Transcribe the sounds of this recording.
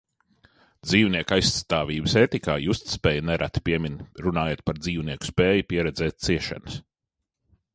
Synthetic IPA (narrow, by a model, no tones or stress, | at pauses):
d̪ziːwniɛkajst̪aːviːbəseːt̪ikaːjust̪spɛːjnɛɾʔa̰t̪piɛmʲinɾunaːjeːt̪̚paɾd̪ziːwniɛku̥speːjupiɛɾɛd̪zɛːt̪̚t̪siɛʃa̰nɐs